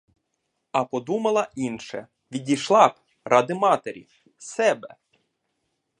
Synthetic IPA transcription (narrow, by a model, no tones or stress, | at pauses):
ɐpɔd̪umɐlˠɐʔinʃɛ | ʋʲidʲijʃlˠɑp | ɾɑd̪ɪmɑt̪eɾʲḭ | sɛbɛ̰